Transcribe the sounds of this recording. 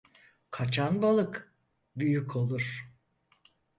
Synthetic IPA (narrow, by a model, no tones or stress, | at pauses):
kʰat͡ʃʰanbalˠɯk | byjykʰo̞lˠuɾ̥